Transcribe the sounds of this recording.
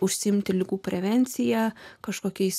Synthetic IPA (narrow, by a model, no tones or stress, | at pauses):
ʊʃʲsʲɪɪmʲt̪ʲɪlʲɪɡuːpʲɾʲɛʋʲɛnʲt̪sʲɪjækɐʃkoːkʲɛɪs